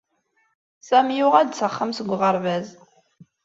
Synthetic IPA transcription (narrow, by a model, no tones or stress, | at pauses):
sæmjʊʁæd̪t͡səχːəmsəɡʷʁəɾˤvæz